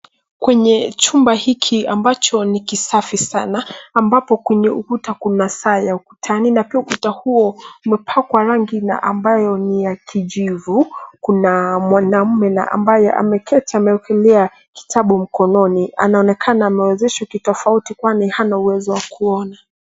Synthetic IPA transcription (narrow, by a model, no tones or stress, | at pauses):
kwɛɲɛt͡ʃumbahikʰiambat͡ʃɔnikisafisanaːmbapɔkwɛɲɛukutakunasaːjauku̥tʰaninapiaukutahuɔumɛpʰakwaɾaŋɡina̰ʔambajɔnijakʰiʄivukunamwanam̩mɛna̰ʔa̰mbajɛ̰ʔa̰mɛkʰɛtaːmɛɔkɛlɛa | ki̥tʰaɓum̩kɔnɔnia̰naɔnɛkʰanaːmɛwɛzɛʃakitɔfautikwanihanauwɛzɔwakuɔna